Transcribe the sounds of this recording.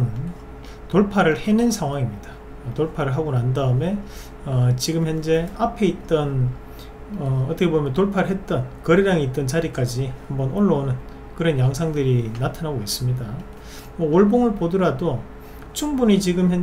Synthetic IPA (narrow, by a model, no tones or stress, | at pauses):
n | toɭpʰaɾɯɭhe̞nɯnsʰaŋɦwaŋimɲida | toɭpʰaɾɯɭɦaɡonandaɯme̞ | ʌt͡ɕiɡɯmçjʌnd͡ʑe̞apʰe̞it̚t͈ʌn | ʌʌt͈ʰʌkʰebomimʌntoɭpʰaɾɯɭɦe̞t̚t͈ʌnkʌɾeɾaŋeit͈ʌnt͡ɕaɾik͈ad͡ʑihambʌnoɭːonɯn | kɯɾʌnjaŋsʰaŋdɯɾinatʰanɦaɡois͈ɯmɲida | mwʌoɭboŋɯɭpodɯɾado | t͡ɕʰumbuɲit͡ɕiɡɯmçjʌn